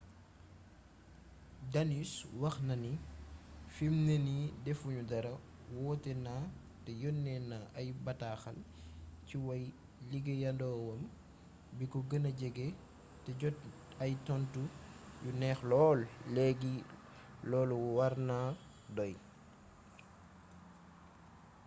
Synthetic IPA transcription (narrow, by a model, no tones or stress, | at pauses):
daniswɐxnɐni | fimnenidɛfuɲudɐɾɐ | wɔːtɛna | tɛjɔnːɛnaʔɐjbɐtaxɐlciwɐj | liɡejɐndɔːwɐm | bikɔɡənɐɟɛɡe | tɛɟɔt | ɐjtɔntujunɛːxlɔːlːɛɡi | lɔːluwaɾna | dɔj